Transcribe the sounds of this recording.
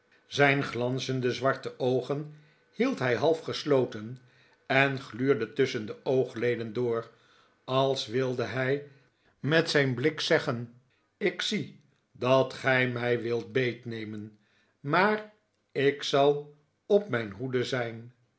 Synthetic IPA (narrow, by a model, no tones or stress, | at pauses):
zɛjnχlɑnzəndəzʋɑɹtəʔowχən | hilˠtɦɛjɦɑlˠfχəslowtən | ɛnχlyːɹdətʏsəndəowχlejdəndʊːɹ | ɑlˠsʋɪlˠdəɦɛj | mɛtsɛjnblɪksɛχən | ɪksi | dɑtχɛjmɛjʋɪlˠt̚bejtnejmən | maːr | ɪksɑlˠ | ɔpmɛjnɦudəzɛjn